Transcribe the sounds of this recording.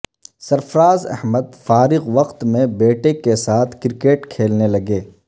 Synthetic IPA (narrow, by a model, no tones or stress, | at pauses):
sɐɾfɾaːzɛ̰hməd̪faːɾɪɣʋɐqt̪mẽbeːʈekesaːt̪ʰkɪɾɪkeːʈkʰeːlnelɐɡeː